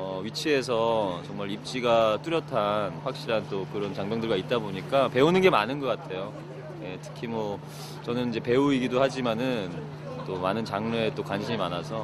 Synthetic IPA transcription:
ʌɥit͡ɕʰie̞s̬ʰʌt͡ɕʌŋmaɾip̚t͡ɕ͈iɡat͈uɾjʌtʰanɸwak̚ɕ͈iɾant͈okɯɾʌnt͡ɕaŋmjʌŋdɯɭɡait̚t͈aboɲik͈ape̞unɯnɡe̞manɯnɡʌk͈atʰe̞jo | je̞tʰɯ̥kʰimwʌ | t͡ɕʌnɯnid͡ʑe̞pe̞uiɡidohad͡ʑimanɯn | t͈omanɯnt͡ɕaŋneːt͈okwanɕʰiɲimanasʰʌ

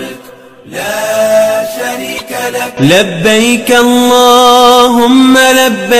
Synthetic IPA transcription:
labːajkaʔɑlˤːɑːɦʊmːalabːa

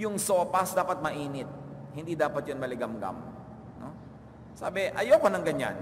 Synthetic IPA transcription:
jʊŋsoːpɐsd̪aːpɐt̪̚mɐʔiːnɪt̪̚hɪnd̪iːd̪aːpɐt̪̚jonmɐlɪɡɐmɡa̰m | no̰ | sa̰ːbɪʔɐ̰jopɐnɐŋɡɐɲa̰n

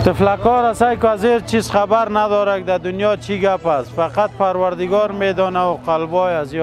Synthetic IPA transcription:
t̪ɪflakɔɾasajkʊazeɾt͡ʃizxabaɾnad̪ɔɾak̚d̪ad̪ʊnjɔt͡ʃʰiɡapasfaqat̪̚paɾwaɾd̪ɪɡɔɾmed̪ɔnawʊqalbɔjazi

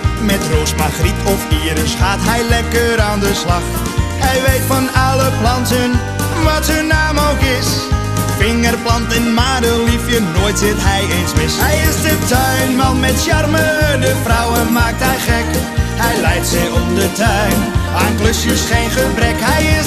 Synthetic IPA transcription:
mɛtroːsmaχripʰɔfiːɾəsχaːtɦɛjlɛkəɾaːndəslɑχ | hɛjʋejtfɑnɑləplɑntən | ʋɑtɦɵnːaːmowkɪs | fɪŋərplɑntɪnmaːdəlifjənoːjtsɪtɦɛjejnsmɪsɦɛjɪsdətœɥnmɑnmɛtsɑrmədəfrɔwəmaːk̚tɦɛjχɛk | ɦɛjlɛjtsɪɔp̚dətœɥn | aŋkləsjəsχejnχəbrɛkɦɛjɪ

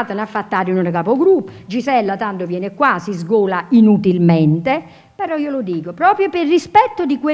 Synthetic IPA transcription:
t̪anafːat̪ːaːɾunonk̬apoɡɾupːd͡ʒisɛlːat̪ant̪ovjɛːnekwasizɡoːlainut̪ilmɛnt̪e | peɾɔiːolod̪iːkopɾɔːpɾjopɪrːispɛt̪ːod̪ikwe

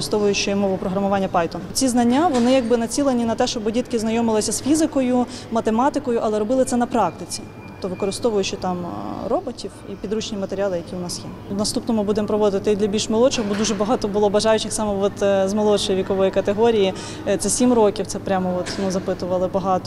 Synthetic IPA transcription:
st̪ɔʋʊjʊt͡ʃːɪmɔʋʊpɾɔɦɾɐmʊʋɑnʲːɐpɑjt̪ʊt͡sʲiznɐnʲːaʋɔnɪjɐɡ̚bɪnɐt͡sʲilˠenʲinɐt̪ɛʃt͡ʃɔbɔdʲit̪kɪznɐjɔmɪlˠɪsʲɐsfʲizɪkɔjʊmɐt̪emɑt̪ɪkɔjʊʔɐlˠɛɾɔbɪlˠɪt̪sɛnɐpɾɑk̚t̪ɪt͡sʲi̥t̪ɔ̥pt̪ɔʋɪkɔɾɪst̪ɔʋʊjʊt͡ʃɪt̪ɑmrɔbɔtʲiwipʲid̪ɾut͡ʃnʲimɐt̪eɾʲɑlˠɪjɐkʲiʊnɑsjɛ | nɐst̪upnɔmʊbud̪empɾɔʋɔd̪ɪt̪ɪt̪ɪd̪lʲɐbʲilʲʃmɔlˠɔt͡ʃɪxbɔd̪uʒɛbɐɦɑt̪ɔbʊlˠɔbɐʒɑjʊt͡ʃɪxsɑmɛʋɔt̪zmɐlˠɔt͡ʃɔjiʋʲikɔʋɔjikɐt̪eɦɔɾʲiji | t̪sɛsʲimrɔkʲiwt̪sɛpɾʲamɔɔt̪nuzɐpɪt̪ʊʋɐlˠɪbɐɦɑt̪ɔ

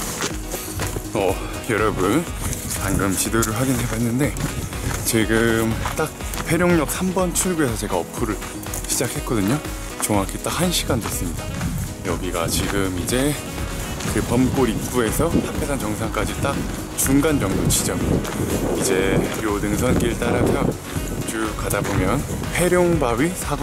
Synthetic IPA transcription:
ʌ | jʌɾʌbun | panɡɯmt͡ɕidoɾɯɭɸwaɡinɦe̞baɦenːɯnde̞ | t͡ɕiɡɯmt͈ak̚pʰe̞ɾjoŋɲʌk̚sʰambʌnt͡ɕʰuɭɡue̞sʰʌt͡ɕe̞ɡaʌpʰuɾɯɭ | ɕʰid͡ʑakʰe̞t̚k͈ʌdɯɲo | t͡ɕoŋɦakʰet͈akhanɕʰiɡandwes͈ɯmɲida | jʌɡiɡat͡ɕiɡɯmid͡ʑe̞ | kɯpʌmk͈oɾip̚k͈ue̞sʰʌpʰapʰesʰant͡ɕʌŋsʰaŋk͈ad͡ʑit͈ak̚ | t͡ɕuŋɡand͡ʑʌŋdot͡ɕid͡ʑʌŋia | id͡ʑe̞jodɯŋsʰʌnk͈iɭt͈aɾapʰjʌ | t͡ɕukadabomjʌn | pʰe̞ɾjoŋbaɥisʰaɡ

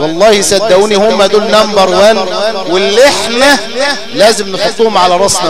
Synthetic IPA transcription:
wɑlˤːɑːhisæd̪ːæʔuːnihʊmːæd̪uːlnæmbɑɾˤwæːnwɪlːeħnæ | læːzɪmnefot̪ˤːuːhʊmʕalæɾˤɑsˤnɑ

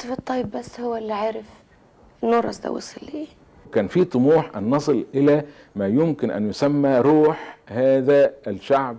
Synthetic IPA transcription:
t̪fɨt̪ˤːɑjːɪbːæsːhʊwːælːiʕaːɾɪf | nːoɾˤɑ̰sd̪a̰wɪ̰sɪlːi | kæːnfiːt̪ˤʊmuːħʔɑnːɑsˤɨlʔɪlæ | mæːjʊmkɪnʔæ̰njʊsæmːæɾuːħhæːðæælʃaʕb̚

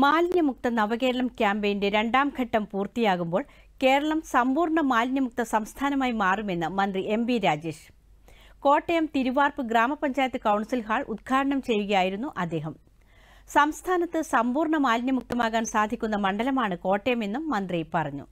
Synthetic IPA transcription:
maːlɲjɐmuk̚t̪ɐnɐʋɐɣe̞ːɾɐɭɐmkʲjaːmbɐjinde̞ɾe̞ɳɖaːmɡʰʱɐʈːɐmpuːrt̪ijaːɣumbo̞ːɭ | ke̞ːɾɐɭɐmsɐmbuːrɳɐmaːlɲjɐmuk̚t̪ɐsɐmst̪ʰaːnɐmaːjimaːrume̞nːɨmɐnd̪riʔe̞mbiɾaːd͡ʑe̞ːʂ | ko̞ːʈːejɐmt̪iɾuʋaːrpɨɡraːmɐpɐɲd͡ʑaːjɐt̪ːɨkɐwɳɐsilɦaːɭud̪̚ɡʰaːɾɐɳɐmt͡ɕe̞jːuɣɐjaːjiɾunːuʔɐd̪ːe̞ːɦɐm | sɐmst̪ʰaːnɐt̪ːɨsɐmbuːrɳɐmaːlɲjɐmuk̚t̪ɐmaːɣaːnsaːd̪ʱikʲːun̪ːɐmɐɳɖɐlɐmaːɳɨko̞ːʈːejɐme̞nːumːɐnd̪ripɐrɐɲːṵ

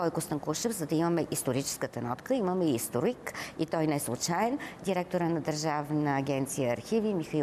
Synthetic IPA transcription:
kɔjkʊst̪əmklˠuʃəvzɐd̪ɐiməmɛʔist̪oɾit͡ʃɛ̥skət̪ənɔt̪kəiməmɛist̪oɾikit̪ɔjnɛslˠʊt͡ʃaɛnd̪iɾɛk̚t̪oɾənɐd̪əɾʒavnəːɡʲɛnt̪sijəːɾxivimixɐi

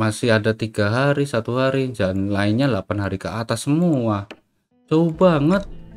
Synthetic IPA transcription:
masɪɦadat̪iɡaɦaɾisat̪uɦaɾid͡ʒanlaɪnɲalapanɦaɾikəat̪asəmua | t͡ʃaubaŋət̪̚

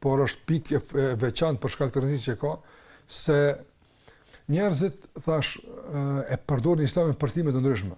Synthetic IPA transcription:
pɔɾɔʃt̪̚pikɛvɛt͡ʃant̪̚pəɾʃkak̚t̪əɾənsit͡ʃəɛka | sɛ | ɲɛɾzit̪θaʃ | ɛpəɾd̪ɔɾnəislaminpəɾt̪imɛt̪̬ənd̪ɾyʃ̬mɛ

